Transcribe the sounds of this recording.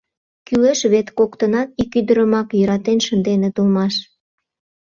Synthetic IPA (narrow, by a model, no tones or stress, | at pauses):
kyleʃβet̪kokt̪ənɑt̪ikyd̪əɾəmɑkjəɾɑt̪enʃənd̪enet̪ulmɑʃ